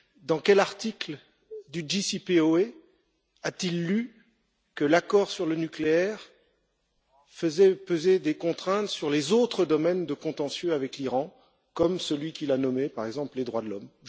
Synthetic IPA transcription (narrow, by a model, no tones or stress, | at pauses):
d̪ɑ̃kʲɛlaʁt̪ikl | d̪yd͡ʒisipeoe | at̪ilːy | kəlakɔʁsyʁlənykleɛʁ | fəzɛpøzed̪ekɔ̃t̪χɛ̃t̪syʁlezot̪χəd̪ɔmɛnd̪əkɔ̃t̪ɑ̃sjøavɛkliʁɑ̃ | kɔmsəlɥikʲilanɔmepaʁɛɡzɑ̃pled̪ʁwad̪əlɔm